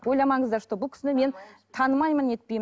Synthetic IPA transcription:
wo̞jlˠɑmɑŋəzd̪ɑɾʃə̥t̪əbʊlˠkʰʲɪ̥sɪnɪme̞nt̪ʰɑnəmɑjməne̞t̪̚pejm

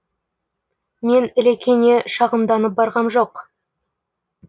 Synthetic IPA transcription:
me̞nɪlekʲʰe̞ne̞ʃɑʁəmd̪ɑnəp̚bɑɾʁɑmʒo̞q

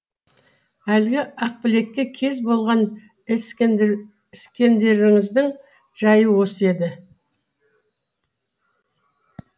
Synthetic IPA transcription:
ælɡʲɪɑq̚pɪle̞kʲːe̞kʲʰe̞zbo̞lˠʁɑn | s | ɪskʲe̞nd̪e̞ɾɪŋɪzd̪ɪŋ | ʒ̥ɑjəwosəe̞d̪ɪ

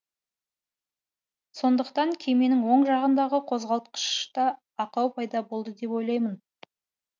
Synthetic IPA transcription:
so̞nd̪əqt̪ɑŋkʲʰe̞jme̞nɪŋwo̞ɴʒɑʁənd̪ɑʁəqʰo̞zʁɑlˠt̪̚qə̥ʃt̪ɑ | ɑqɑwpʰɑjd̪ɑbo̞lˠd̪əd̪e̞pwo̞jlˠɑjmən

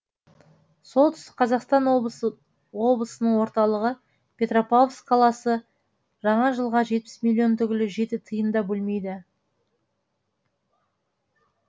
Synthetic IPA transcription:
so̞lˠt̪ʰʏst̪ɪ̥qʰɑzɑqst̪ɑn | wo̞blˠəsənəɴwo̞ɾt̪ɑlˠəʁə | pʲʰe̞t̪ro̞pofsqʰɑlˠɑsə | ʒ̥ɑɴɑʒəlˠʁɑʒe̞t̪̚pɪ̥smilʲːio̞nt̪ʰʏɡʲɪlɪʒe̞t̪ɪt̪ʰəjənd̪ɑbɵlme̞jd̪ɪ

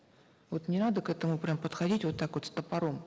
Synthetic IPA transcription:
vo̞t̪nʲɪnad̪əkɛt̪əmʊpɾʲampət̪xɐdʲitʲvo̞t̪ːakvo̞t̪st̪əpɐɾom

